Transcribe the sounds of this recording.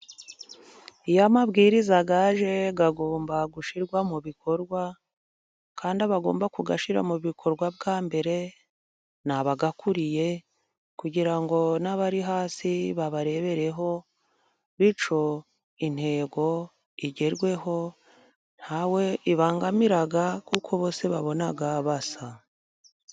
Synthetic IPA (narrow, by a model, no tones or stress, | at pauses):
ijamaβɡiːɾizaɡaʒe̞ɡaɡoːmbaɡuʃiɾɡwamuβiko̞ɾɡwa | kaːndiaβaɡo̞̰ːmbakuɡaʃiɾa̰muβikʰo̞ɾɡwabɡaːmbe̞ɾe̞ | naβaɡakuɾije̞ | kuɟiɾaŋɡo̞naβaɾiɦaːsiβaβaɾe̞βe̞ɾe̞ɦo̞ | βit͡ʃo̞ | in̥he̞ːɡo̞ | iɟe̞ɾɡwe̞ɦo̞ | n̥hawe̞iβaːŋɡamiɾaɡakukʰo̞βo̞ːse̞βaβo̞naɡaβasa